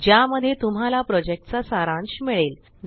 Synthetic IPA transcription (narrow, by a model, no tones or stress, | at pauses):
d͡ʑjaməd̪ʱjet̪um̤alapɾɔd͡ʑek̚ʈt͡sasaɾãnɕmiɭel